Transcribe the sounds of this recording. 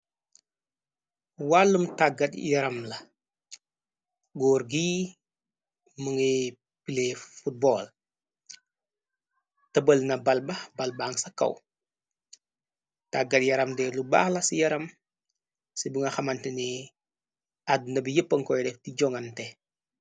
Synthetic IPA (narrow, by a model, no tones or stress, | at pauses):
walːumtaɡɐtjɐɾɐmlɐ | ɡɔːɾɡiː | mɐŋɛ | pilefut̚bɔːl | təbəlnɐbɐlbɐbɐlbaːŋsɐkɐ̰w | taɡːɐt̚jɐɾɐmdɛːluba̰ːxlɐsijɐɾɐm | sibuŋɐxɐmɐntini | ad̚nɐbijəpːɐŋkɔjdɛftiɟɔŋɐntɛ